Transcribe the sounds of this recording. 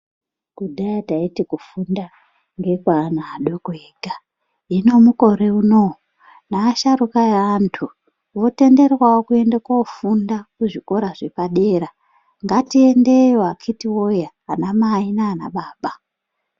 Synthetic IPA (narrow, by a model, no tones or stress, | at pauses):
kudajataitikufunda | ŋɡe̞kwaːnaːɗoɡweːɡʱa | ino̞muko̞ɾiuno | naːʃarukajaantʰu | wo̞te̞nde̞rwaokue̞ndekwaufundakuʐiko̞ɾaʐe̞paɗe̞ːɾa | ŋɡatie̞ndejoakʰitiwo̞jaːnamainaːna̰ɓaːɓa